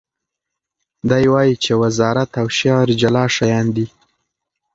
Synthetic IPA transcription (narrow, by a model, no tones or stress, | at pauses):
d̪ajwɑjit͡ʃewazɑɾat̪awʃjɑɾd͡ʒalɑʃajɑnd̪i